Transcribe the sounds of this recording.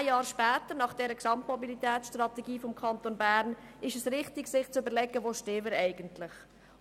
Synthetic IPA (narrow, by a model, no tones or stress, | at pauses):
jjɑːɾʃpɛːt̪əɾnɑχd̥ɛɾəksɑmtmɔbilit̪ɛːtsʃtɾɑt̪ɛɡiːfɔmkʰɑnt̪onbæɾnɪʃɛsɾɪχtɪɡsɪχt͡søbəɾlɛɡəʋoːʃtɪːvəɾɛɪɡ̥əntlɪχ